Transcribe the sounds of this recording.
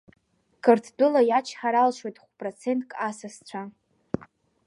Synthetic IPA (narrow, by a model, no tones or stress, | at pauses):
kʰɨrtʰdɨlajat͡ʃʰħaɾalʃwojtʼχʷpʼrot͡sʰe̞ntʼkʼasast͡ɕʷʰa